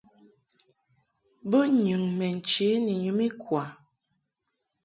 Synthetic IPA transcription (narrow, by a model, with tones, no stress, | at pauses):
bə˦ɲʉ˨ŋmɛ˨n̩˨t͡ʃe˨˦ni˨ɲu˨˦mi˦kwa˨